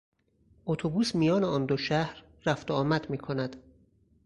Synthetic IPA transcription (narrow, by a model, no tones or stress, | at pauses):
ʔot̪ʰobuːsmijɒːneɒːnd̪oʃæhɾːæft̪oɒːmæd̪miːkʰo̞næd̪̥